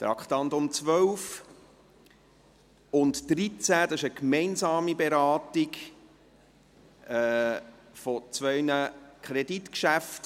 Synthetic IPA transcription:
t̪ɾɑ̰kχtɑnd̪ʊmt͡sʋœwf | ʊntd̥ɾit͡sæd̥ɑɪʃəkmɛɪnzɑːmibeɾɑːtɪɡ | ɛ | fɔt͡sʋœʏnəkʰχɾeditkʃæft

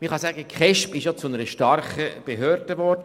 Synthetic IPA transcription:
məχɑsæɡəkχɛʃpɪʃjot͡sʊnəɾəʃtɑrχəb̥eɦøːɾd̥əʋɔrdə

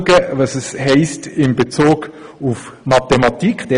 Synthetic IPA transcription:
ɡəvɑsɛshɛɪstɪmbet͡soːɡufmɑtɛmɑtikχd̥ɛ

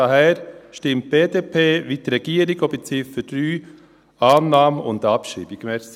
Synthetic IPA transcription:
ɑɦɛːɾʃtɪmt̚b̥eːdeːpʰeːʋitɾɛɡ̥iəɾiɡobət͡sɪfəd̥ɾyː | ɑːnːɑːməʊ̰ndɑpʃḭːbiɡmɛːs

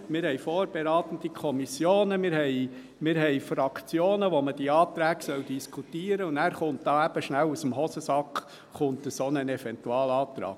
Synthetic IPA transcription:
mɪːɾhɛɪfɔːɾb̥eɾɑːt̪ən̩dikʰɔmisjoːnəmɪɾhɛɪ | mɪɾɦɛɪfrɑkʰt͡sjoːnəʋoməd̥iɑːtɾæːɡ̥sœld̥iskʰutiːəɾəʊnæːɾχʊntd̥ɑːæb̥əʃnælusəmɦɔsəsɑk | χʊntəsonənɛfɛntuɑːlɑːt̪ɾɑ̰ːɡ̚

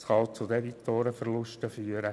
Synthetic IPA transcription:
sχɑlt͡sʊdɛdit̪oːɾəfərlʊʃtəfyːəɾə

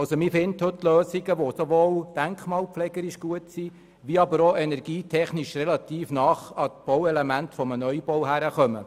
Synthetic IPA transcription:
ɑlsomɪfɪnthɵtːløːsiɡəʋosoʋoːld̥æŋkχmɑːlpflɛɡəɾiʃɡ̥uətsi | ʋiɑbəɾoʔɛnɛɾɡiːtʰɛχnɪʃrɛlɑt̪iːfnɑːχɑtb̥ɔwɛlemæntfɔmənœjbɔwhæɾəχœmə̰

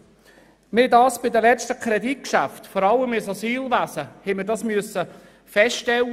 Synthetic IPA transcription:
mɪdɑːsb̥ɪd̪əlɛt͡stəkʰɾɛdit̚kʃæftfɔɾɑlːəmɪsɑsyːlvæsəhɛməɾdɑsmyəsːə | fɛstɛlː

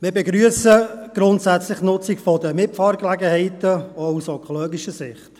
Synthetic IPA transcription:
mɪːbɛɡɾyəsəɡ̥ɾʊntsæt͡slɪχnʊt͡sikfɔdəmɪfɑːɾklæɡəhɛɪtəoʊsœkχoloːɡiʃəsɪχt

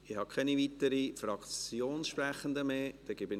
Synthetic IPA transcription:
ɪhɑkʰɛnivit̪əɾifɾɑkt͡sjoːnsʃpɾæχənd̪əmeːd̪̥ɛɡ̥ɪbən

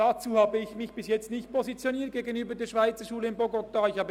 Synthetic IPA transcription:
at͡suːhaːbəɪçmɪçb̥ɪsjɛt͡stnɪçt̚pʰozit͡sjoniːɐt̚ɡ̥eːɡənyːbədeːʃv̥aɪt͡səʃuːləɪnboɡotaːɪçhɑːbə

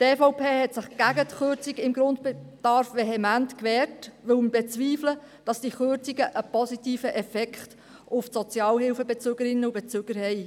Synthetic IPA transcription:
tɛːfɔʊpʰeːhɛtsɪχɡ̥æɡətχʏɾt͡siɡɪmɡɾʊntbed̥ɑɾfʋeɦɛmæntkʋɛːrtʋɪlmbet͡sʋiːflə | d̥ɑsd̥iχʏɾt͡siɡəʔəpɔsitiːfəʔɛfɛkχt | ʊfsɔt͡sjɑːlhɪlfəbɛt͡søɡəɾɪnːəub̥ɛt͡søːɡ̥əɾhɛɪ

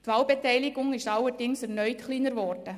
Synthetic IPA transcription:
tʋɑːlbɛtɛɪlɪɡʊŋɪʃɑlːəɾd̥ɪŋsɛɾnœʏtχliːnəɾʋɔɾdə

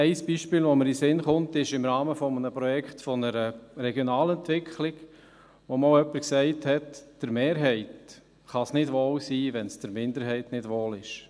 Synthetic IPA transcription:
ɛɪsb̥iːʃpɪːlʋoməɾisɪnχʊntɪʃɪmɾɑːməfɔmənəpɾɔjɛkχtfɔnəɾəɾɛɡjonɑːlɛntʋɪkχlɪɡ | ʋomɔlœpːəɾksɛɪthɛtd̥əɾmeːɾɦɛɪt | χɑsnɪdʋoːlsiːʋɛnsd̥əɾmɪndəɾɦɛɪtnɪd̥ʋoːlɪʃ

